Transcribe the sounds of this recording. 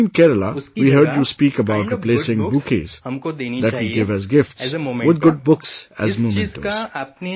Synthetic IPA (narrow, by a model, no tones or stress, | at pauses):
nkɛɾəlawiːɦɜɾd͡ʒjuspiːkəbaʊʈɾɪpleːsɪ̃ŋbukḛz̥d̪æʈʋiɡɪʋæzɡɪfʈswɪd̪̚ɡʊɖ̚bʊksæ̰zmõmɛ̃ntə̰̃